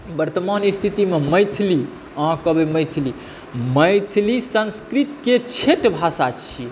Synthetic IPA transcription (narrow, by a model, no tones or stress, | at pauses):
bəɾt̪əmanist̪ʰit̪imeməjt̪ʰili | ãkəbeməjt̪ʰili | məjt̪ʰilisə̃nskɾit̪ket͡ʃʰeʈbʱasat͡ʃʰi